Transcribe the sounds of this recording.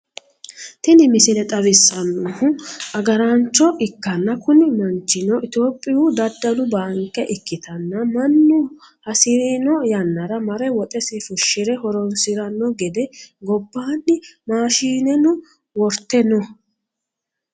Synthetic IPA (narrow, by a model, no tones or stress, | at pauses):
t̪ɪnɪmɪsɪnɛt̪ʼɐβɪsːɐnːɔhʊʔɐɡɐɾɐnt͡ʃːɔʔɪkːɐnːɐkʊnɪmɐnt͡ʃːɪnɔʔɪt̪o̞ːpʼːɪjud̪ɐd̪ːɐlʊbaːŋkːɛʔɪkːɪt̪ʰɐnːɐmɐnːʊ | hɐsɪɾinɔjɐnːɐɾɐmɐɾɛwɔt̪ʼɛsɪfʊʃːɪɾɛhɔɾɔnsɪɾɐnːɔɡɛd̪ɛɡɔbːaːnːɪmaːʃiːnɛnʊ | wɔɾt̪ːɛnɔ